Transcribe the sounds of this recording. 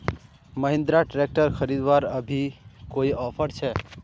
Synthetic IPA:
məɦɪ̃nd̪ɾaʈɾek̚ʈəɾkʰəɾid̪ʋaɾəbʱikoiɔpʰəɾt͡ʃʰɛ

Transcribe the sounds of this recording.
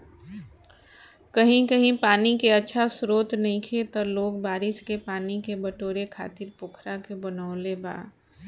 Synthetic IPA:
kəɦĩkəɦĩpaːnikeɐtːʃʰasɾoːt̪nɐɦĩkʰet̪ɔloːɡbaːɾɪskepaːnikebəʈoːɾekʰa̰ːt̪ɪɾpʊːkʰɾakebɐnaʊleba̰ː

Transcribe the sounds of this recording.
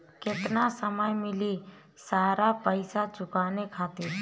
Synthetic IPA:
kɪt̪nasəməjmɪli | saːɾapəɪsat͡ʃʊkaːnekʰaːt̪ɪɾ

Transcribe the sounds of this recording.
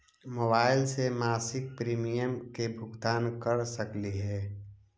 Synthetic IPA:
moːbaːɪlsemaːsɪk̚pɾiːmijəmkebʱʊɡt̪aːnkəɾsəkliɦɛː

